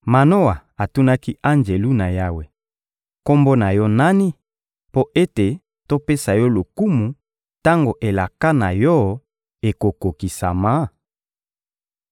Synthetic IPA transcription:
ma˨no˦wa˨a˨tu˦na˦ki˦ʔa˦nd͡ʒe˨lu˦na˨ja˦we˨ | ko˦mbo˦na˨jɔ˦na˦ni˦ | po˦ʔe˦te˨ | to˦pe˦sa˨jɔ˦lo˨ku˦mu˨ | ta˦ŋɡo˨ʔe˨la˨ka˦na˨jɔ˦ | e˨ko˨ko˨ki˨sa̰˨ma˨˦

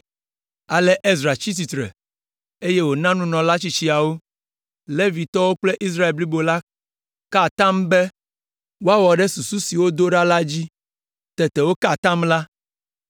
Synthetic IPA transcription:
a˨lɛ˦ʔe˦zɾa˨t͡ɕi˦s̬i˨t̪ɾɛ̰˨ | e˦je˦wo˨nã˦nũ˦nɔ̃˨la˦t͡ɕi˦t͡ɕi˦a˨wo˦ | le˦vi˨t̪ɔ˦wo˦k͡ple˦ʔi˦s̬ɾa˦e˨lbli˦bo˨la˦ | ka˦˨t̪ã˦mbɛ˦ | wo˦a˦wɔ˨ɖɛ˦su˨su˦si˨wo˦d̪o˦ɖa˦la˦d͡ʑi˦ | t̪ɛ˨t̪ɛ˨wo˦ka˦˨t̪ã˦mla˦

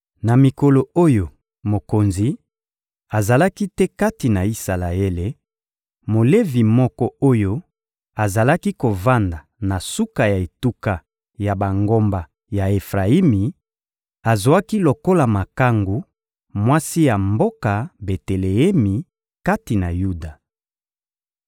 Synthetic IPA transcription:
na˨mi˨ko˨lo˨o˦jo˨ | mo˨ko˨nzi˨ | a˨za˨la˦ki˦tɛ˦ka˦ti˨na˨i˦sa˨la˨e˦le˨ | mo˨le˦vi˨mɔ˦kɔ˦o˦jo˦ | a˨za˨la˦ki˦ko˨va˦nda˨na˨su˦ka˨ja˨e˨tu˦ka˨ | ja˨ba˨ŋɡo˦mba˨ | ja˨e˨fʁa˨i˦mi˨ | a˨zwa˦ki˦lo˨ko˦la˨ma˨ka˦ŋɡu˨ | mwa˦si˦ja˨mbo˦ka˨be˨te˨le˨ɛ˦mi˨ | ka˦ti˨na˨ju˦da˨

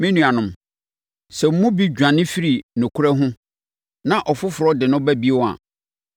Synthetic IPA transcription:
mɪ̃˦nũ˨a˨nʊ̃˨m | sɛ˨m̩˦mũ˦bi˦d͡ʑᶣã˨nɪ̃˦fi˦ɾi˨nʊ̃˨kʰʊ˦ɾɛ˦ɦʊ̃˦ | nã˨ʔɔ˨fʊ˦fʊ˨ɾɔ˦dɪ˨nʊ̃˦bæ˦bi˦wɔ˦a̰˨

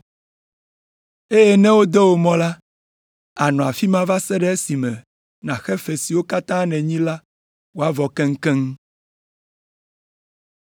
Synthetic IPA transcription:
e˦jɛ˦nɛ̃˦wo˦d̪ɔ˦wo˨mɔ̃˦la˦ | a˨nɔ̃˨a˨fi˦mã˦va˦sɛ˦ɖɛ˦e˦si˨mɛ̃˨ | nã˨xɛ˦fɛ˨si˨wo˦ka˦t̪ã˦nɛ̃˨ɲĩ˦la˦ | wo˦a˦vɔ˨kɛ̃˦ŋ̩˦kɛ˦ŋ

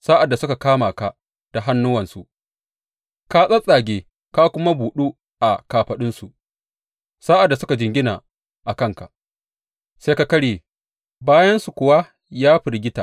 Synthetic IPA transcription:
saː˦ʔa˨dːa˨sʊ˦ka˨kaː˦maː˨ka˨ | d̥a˨ɦa˦nːʊ˦wɐ˨nsu˨ʔ | ka˦sʼɐ˦sʼa˨ɡʲeː˨ | ka˦kʷʊ˦ma˦buː˨ɗuː˦ | ʔa˨kaː˨ɸɐ˨ɗɪ˦nsu˨ʔ | sa˦ʔa˨dːa˨sʊ˦ka˨d͡ʒɪ˨ŋɡʲɪ˦naː˨ | ʔa˨kɐ˦˨ŋka̰˨ | seː˦ka˨kɐ˦ɽeː˨ | baː˦jɐ˦nsu˨kʷʊ˨wa˦ | jaː˦ɸɪ˨ɾɡʲɪ˦ta̰ː˨

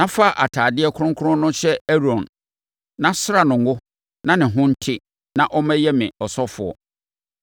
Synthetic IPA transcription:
nã˦fa˦˨ʔa˨tʰaː˨dɪ˦ɛ˦kʰʊ˦ɾʊ̃˦ŋkʰʊ˦ɾʊ̃˦nʊ̃˦ɕɛ˦ɛ˦ɾɔ̃˨n | nã˦sɾa˨nʊ̃˨ŋ˦ɡʊ˦ | nã˦nɪ̃˨ɦʊ̃˦n̩˦tʰɪ˦ | nã˦ʔɔ˦mɛ̃˦jɛ˦mɪ̃˨ɔ˨sɔ˦fʊ˨ɔ̰˦

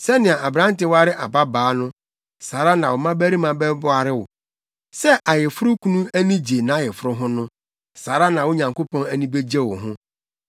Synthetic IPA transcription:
sɛ˦nɪ̃˨a˨ʔa˨bɾã˨˦n˦tɪ˨˦wa˦ɾɪ˦ʔa˨ba˦baː˨˦nʊ̃˦ | saː˨ɾa˦nã˨wʊ˨mã˦bæ˦ɾi˦mã˨bɛ˦bʊ˦a˨ɾɪ˦wʊ̰˨ | sɛ˦ʔa˨jɪ˨fʊ˦ɾʊ˦kʰu˦nũ˦æ˦nĩ˦d͡ʑe˨nã˨a˦˨jɛ˨fɾʊ˦ɦʊ̃˦nʊ̃˦ | saː˨ɾa˦nã˨wʊ˦ɲã˨ŋko˦pʰɔ̃˦næ˦nĩ˦be˦d͡ʑɛ˦wʊ˨ɦʊ̃˦

